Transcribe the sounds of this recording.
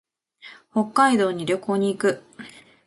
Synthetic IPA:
ho̞kːaid̪o̞ːɲ̟iɾʲo̞ko̞ːɲ̟iːkɯ̟

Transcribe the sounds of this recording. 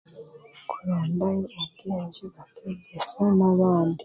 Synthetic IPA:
kʰuɾaːmbajeʔaβɡiziβatʰeɟesanaβaːndi

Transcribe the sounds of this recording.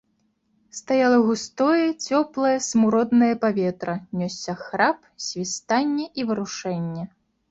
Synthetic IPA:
st̪ajalˠɐɣust̪ɔjɐt͡sʲɔplˠɐjɐsmuɾɔd̪nɐjɐpavʲɛt̪ɾɐnʲɔsʲːɐxɾap̚ | sʲvʲist̪anʲːɛʔivɨɾuʂɛnʲːɛ

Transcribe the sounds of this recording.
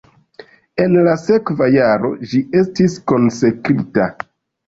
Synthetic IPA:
e̞nlase̞kvajaɾo̞̰d͡ʒie̞stisko̞nse̞kɾita̰

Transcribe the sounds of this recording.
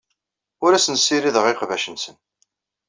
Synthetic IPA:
ʊɾæsənsːiɾiðəʁɪqvæʃənsən

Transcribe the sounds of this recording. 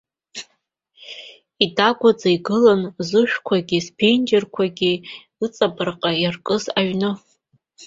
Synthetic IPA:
idaɡʷad͡zaiɡɨlanzɨʃᶣkʷʰaɡʲispʰend͡ʒerkʷʰaɡʲi | ɨt͡sʼabɨrqʼajarkʼɨzaɥnɨ

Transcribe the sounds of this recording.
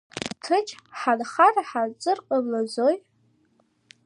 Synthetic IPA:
tʰɨt͡ʃʰʼħanχaraħart͡sʼɨrqʼəblazoj

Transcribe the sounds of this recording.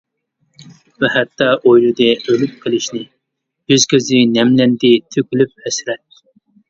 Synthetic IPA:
vɛhɛt̪ʰːɑʔojlɨd̪ɛølyp̚qʰəlˠɪʃnɪ | jyzkʲøzɪnɛmlɛnd̪ɪt̪ʰøkʲylyp̚hɛsɾɛt̪̚ː

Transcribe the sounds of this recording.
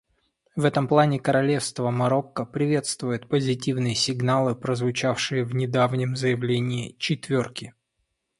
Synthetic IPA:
vɛt̪əmplˠanʲɪkəɾɐlʲe̞fst̪vəmɐɾo̞kːəpɾʲɪvʲe̞t̪st̪vʊjɪt̪̚pəzʲɪt̬ʲivnɨjəsʲɪɡnalˠɨpɾəzvʊt͡ɕafʂɨjəvnʲɪd̪avnʲɪmzəjɪvlʲenʲɪːt͡ɕɪt̪vʲorkʲɪ

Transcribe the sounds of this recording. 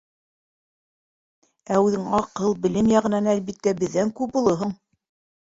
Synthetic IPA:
æʉðɘŋɑqɤlˠbɘ̆lɘmjɑʁɤ̆nɑnælβit̪ːæbɘ̆ðːæŋkʉbulˠɤɦɤɴ

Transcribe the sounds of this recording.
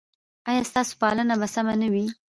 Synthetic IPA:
ɑjɑst̪ɑso̥pɑlənabasamanawi

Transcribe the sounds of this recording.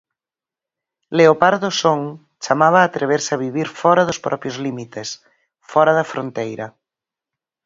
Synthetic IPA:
leopaɾðosoŋ | t͡ʃamaβ̞aːt̪ɾeβ̞eɾsɪaβiβiɾfɔɾaðospɾʔɔpjozlimit̪es | fɔɾɐðɐfɾont̪ejɾɐ

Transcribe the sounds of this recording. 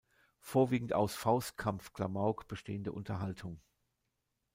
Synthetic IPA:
foːɐviːɡŋ̩ta̰ʊsfaʊst̚kʰamfkʰl̥amaʊkb̥əʃteːəndəʔʊntʰɐɦaltʰʊŋ

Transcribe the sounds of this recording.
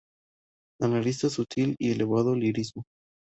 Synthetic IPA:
analis̬t̪aesut̪ʰilieleβaðoliɾizmo

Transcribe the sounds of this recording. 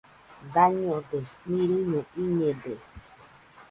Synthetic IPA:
daɲõd̪emĩɾinõiɲẽde

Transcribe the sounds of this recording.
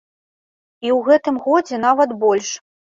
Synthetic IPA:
iwɣɛt̪ɨmɣɔd͡zʲɛnavɐt̪bɔlʲʂ

